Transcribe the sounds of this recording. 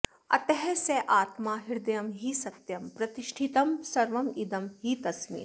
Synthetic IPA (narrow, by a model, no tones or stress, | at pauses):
ɐ̰t̪ɐɦɛseʔaːt̪maːɦiɾd̪ɐjɐmɦiːsɐt̪jɐmpɾɐt̪iʃʈʰit̪ɐmsɐɾʋɐmid̪ɐmɦit̪ɐsmḭːɾ